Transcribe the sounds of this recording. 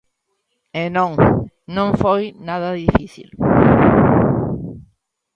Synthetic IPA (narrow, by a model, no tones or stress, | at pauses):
enõŋ | nõŋfojnaðɐðifiθḭl